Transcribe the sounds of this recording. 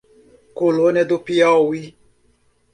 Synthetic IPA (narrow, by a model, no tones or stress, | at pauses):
kolonɛd̪opiaowi